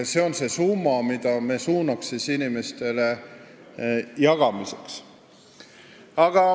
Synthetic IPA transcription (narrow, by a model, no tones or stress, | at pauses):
se̞o̞nse̞sumːɑmid̪̥ɑme̞ːsuːnɑksisinime̞st̪e̞le̞ | jɑɡ̥ɑmise̞̥ks | ɑɡ̥ɑ